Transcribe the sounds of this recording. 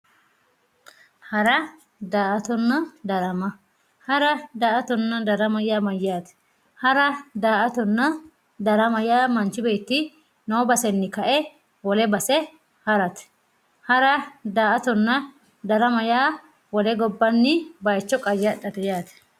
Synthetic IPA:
hɐɾɐ | d̪aːʔɐt̪ɔnːɐd̪ɐɾɐmɐ | hɐɾɐd̪aːʔɐt̪ɔnːɐd̪ɐɾɐmɐjaːmɐjːaːt̪ɛ̥ | hɐɾɐd̪aːʔɐt̪ɔnːɐ | d̪ɐɾɐmɐjaːmɐnt͡ʃːɪbeːt̪ːɪ | noːbɐsɛnːɪkɐʔɛ | wɔlɛbɐsɛ | hɐɾɐt̪ | hɐɾɐd̪aːʔɐt̪ɔnːɐ | d̪ɐɾɐmɐjaː | wɔlɛɡɔbːɐnːɪbɐjt͡ʃːɔkʼɐjɐɗɐt̪ɛjaːt̪ɛ̥

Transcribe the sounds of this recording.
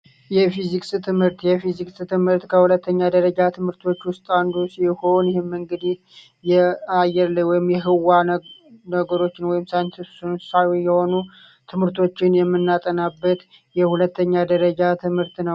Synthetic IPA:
jɛfizikʼsɨt̪ʰɨmhɨɾt̪jɛfizikʼsɨt̪ʰɨmhɨɾt̪kʰəhulət̪ːəɲːad̪əɾəd͡ʒat̪ʰɨmhɨɾt̪ʰo̞t͡ʃːwʊst̪ʼand̪usiho̞njɪhemːɨŋɡɨd̪ih | jɛajːɛɾləɲwɔjɪmjɛɦɨwa | nəɡəɾo̞t͡ʃːɪnwɔjɪmsajnt̪ɨsnsawijɛho̞nu | t̪ʰɨmhɨɾt̪ʰo̞t͡ʃːɪnjɛmːɨnːat̪ʼənabːət̪ | jɛhulət̪ʰːəɲːad̪əɾəd͡ʒat̪ʰɨmhɨɾt̪nəw

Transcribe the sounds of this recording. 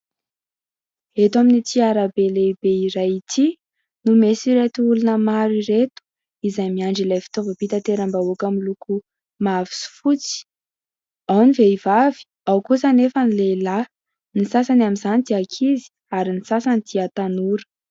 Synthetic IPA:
et̪aminit̪ʰiaɾabelebeiɾajit̪ʰi | numesiɾet̪uulunəmaɾiɾet̪u̥ | izajmiaɳɖ͡ʐilafi̥t̪ovapit̪at̪eɾəmbaokamiluku | mavi̥su̥fut͡si̥ | awniveivavi̥ | awkusanefənilela | nisasanamizanit̪iakʰizi̥ | aɾinisasanid̪̥iat̪anuɾə̥

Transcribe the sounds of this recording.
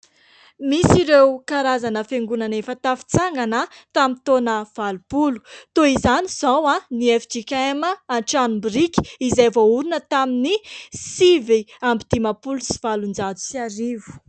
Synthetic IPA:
misiɾewkaɾazanəfeŋɡunanefət̪afi̥t͡saŋɡanət̪amit̪onəv̥alupulu̥t̪oizaniz̥awaniefid͡ʒikʲaeməanʈ͡ʂanumbiɾikʲi̥izajvouɾinət̪aminisiviambid̪̥imapulusi̥v̥alund͡zad͡zu̥siaɾivu̥

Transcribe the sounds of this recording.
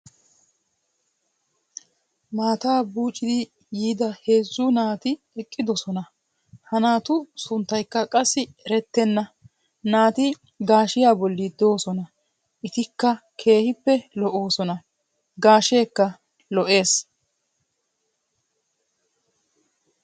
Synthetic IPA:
maːt̪aːbuːt͡ʃʼːɪd̪ɪ | jiːd̪ɐhe̞ːzːʊnaːt̪ɪ | ɛkʼːɪd̪ɔsɔnɐ | hɐnaːt̪ʊsʊnt̪ːɐjkːɐkʼɐsːɪɾɛt̪ːɛnːɐ | naːt̪ɪ | ɡaːʃɪjaːbɔlːɪd̪o̞ːsɔnɐ | ʔɪt̪ɪkːɐkʰe̞ːhɪpːɛlɔʔo̞ːsɔnɐ | ɡaːʃe̞ːkːɐ | lɔʔe̞ːs

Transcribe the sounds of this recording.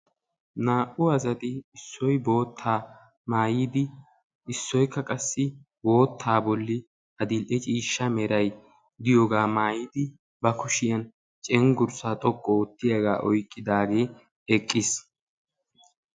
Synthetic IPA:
naːʔʊɐzɐt̪ɪɪsːɔjbo̞ːt̪ʰːaː | maːjiːd̪ɪ | ɪsːɔjkːɐkʼɐsːɪ | bo̞ːt̪ʰːaːbɔlːɪ | ɐd̪ɪlʔɛt͡ʃʼiːʃːɐmɛɾɐj | d̪ɪjɔɡaːmaːjɪd̪ɪ | bɐkʊʃɪjɐn | t͡ʃʼɛŋɡʊɾsaːt̪ʼɔkʼːɔɔt̪ːɪjɐɡa̰ːʔɔjkʼːɪd̪aːɡe̞ː | ɛkʼːɪs

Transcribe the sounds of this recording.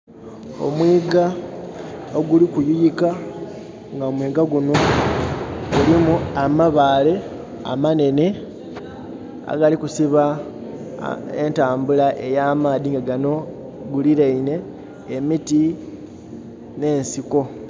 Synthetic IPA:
o̞̰mwiːɡa | oɡulikujujika | ŋɡaomwiːɡaɡuno̞ | ɡulimuamaβaːle̞ | a̰mane̞ne̞ | a̰ɡalikusiβa | entaːmbulaʔe̞jaːmaːðiŋɡaɡano̞ | ɡuliɾeine̞ː | miti | ne̞ːnsiko̞

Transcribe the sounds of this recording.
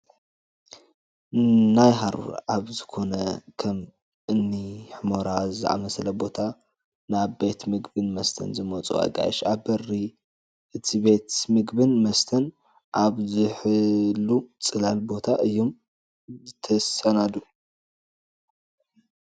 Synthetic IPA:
najɦaɾṵɾaβzɨkʰo̞nɐkʰɐm | ʔɨnːiħɨmoɾazɨʔa̰mɐsɐlɐbo̞t̪ʰa | naβbe̞t̪mɨɡbɨnmɐst̪ʰɐ̰nzɨmɐt͡sʼṵa̰ɡa̰j̰ʃaβbɐri | ʔɨt̪ʰibe̞t̪mɨɡbɨnmɐst̪ʰɐn | ʔaβzɨħɨlːut͡sʼɨlalbo̞t̪ʰaʔɨjːom | zɨt̪ʰɐsɐnad̪u

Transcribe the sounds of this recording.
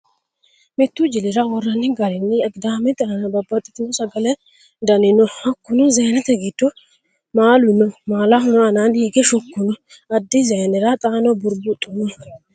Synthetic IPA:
mɪt̪ːud͡ʒɪlɪɾawɔrːɐnːɪɡɐɾɛnːɪɛɡd̪aːmɛt̪ʼɐnɐbɐbːɐt̪ʼːɛ̥t̪ɪnɔsɐɡɐlɛ | d̪ɐnɪnɔhɐkːʊnɔzɛjnɛt̪ɛɡɪd̪ːɔ | maːlʊnɔmaːlaɦʊnɔɐnaːnhiɡɛʃʊkːʊnɔ | ɐd̪ːizɛjnɛɾat̪ʼaːnɔbʊɾbʊt̪ʼːʊmɔ

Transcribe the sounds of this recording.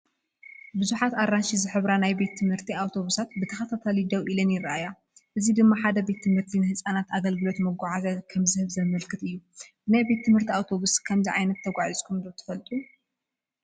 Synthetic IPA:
bɨzuħat̪arːanʃizɨħɨβɾanajbe̞t̪ʰːɨmhɨɾt̪ʰiawt̪ʰo̞βusat̪bɨt̪ʰɐxɐt̪ʰat̪ʰalid̪ɐwʔilɐnjɪɾɐʔaja | ʔɨzid̪ɨmːaħad̪ɐbe̞t̪ʰːɨmhɨɾt̪ʰinɨhɨsʼanat̪aɡɐlɡɨlo̞t̪mɐɡʷaʕazɐkʰɐmzɨhɨβzɐmɐlkʰɨt̪ɨjːubɨnajbe̞t̪ʰːɨmhɨɾt̪ʰiawt̪ʰo̞βuskʰɐmziʕajnɐt̪ʰːɐɡʷaʕit͡sʼkʰumd̪owt̪ʰɨ̥fɐlt̪ʼu

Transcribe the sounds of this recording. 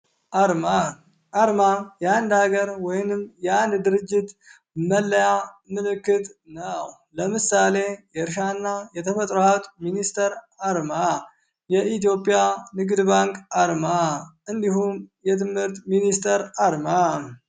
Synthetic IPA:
ʔaɾma | ʔaɾmajɛand̪aɡəɾwɔjnɨmːjɛand̪d̪ɨɾɨd͡ʒːɪt̪ | məlːəjamɨlɨkːɨt̪ʼnəw | ləmɨsale̞jɛɾʃ̬anːajɛt̪ʰəfət̪ʼɾohaβt̪ʼminist̪ʰəɾ | aɾma | jɛit̪jo̞pʼːijanɨɡd̪baŋkʼaɾmaʔɨnd̪ihumjɛt̪ʰɨmhɨɾt̪minist̪ʰəɾaɾma

